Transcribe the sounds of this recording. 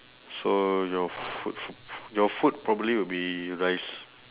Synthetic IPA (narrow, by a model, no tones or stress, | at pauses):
sojɔfṵt̚fujɔfut̚pɹɔbəbliwibiɹajs